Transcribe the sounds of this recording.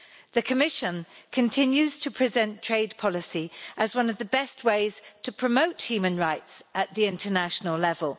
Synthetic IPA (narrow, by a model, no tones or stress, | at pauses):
ðəkʰəmɪʃə̃nkʰə̃ntʰɪ̃njʉz̥tʰəpʰɹ̥ɪzɛ̃ntʰɹ̥eɪd̚pʰɒlɪsiʔəzwʌ̃nəvðəbɛst̚weɪz̥tʰəpʰɹ̥əmoʊthjʉːmə̃nɹaɪtsəʔðiɪ̃ntʰənaʃənəlˠlɛvəlˠ